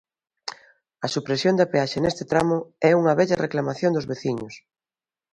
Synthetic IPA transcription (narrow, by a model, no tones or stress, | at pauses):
ɐsupɾesjond̪ɐpeaʃenest̪ɪt̪ɾamʊɛuŋɐβɛʎɐreklamaθjond̪ʊzβeθiɲʊs